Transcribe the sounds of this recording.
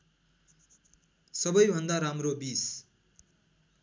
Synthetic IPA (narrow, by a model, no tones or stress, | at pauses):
sʌbʌjbʱʌnd̪aɾamrobis